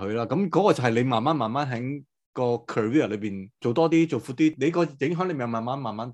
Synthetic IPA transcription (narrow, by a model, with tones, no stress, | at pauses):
hɵ˨˧laː˥kɐ˨˥mkɔː˨˥kɔː˧t͡sɐ˨whɐ˨jle˨˧maː˨nmaː˨˦˥nmaː˨nmaː˨˥nɦɛː˨˥ŋ | kɔː˧kʰœː˨˩wiː˥˩ɐ˨˩lɵ˨˧ɥpiː˨˩nt͡so˨wt̪ɔː˥t̪iː˥t͡so˨˩wfu˧˥t̪iː˥le˨˧jkɔː˧jɪ˨˥ŋɦœ˨˥ŋle˧i˨˩jmaː˨˩maː˨˥nmaː˨nmaː˨˥n